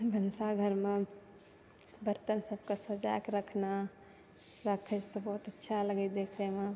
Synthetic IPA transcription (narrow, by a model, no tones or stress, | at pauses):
bʱənsaɡʱəɾme | bəɾt̪ənsəb̚ʱkasəd͡ʒakɾəkʰna | ɾəkʰet͡ʃt̪obɔɦt̪ətːʃʰaləɡəd̪ekʰɾeme